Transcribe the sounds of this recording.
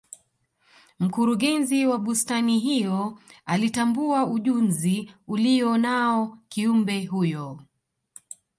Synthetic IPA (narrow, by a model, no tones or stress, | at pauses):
m̩kuɾuɠɛnziwaɓustaniɦijɔalitambuauʄunziuliɔnaɔkiumbɛɦujɔ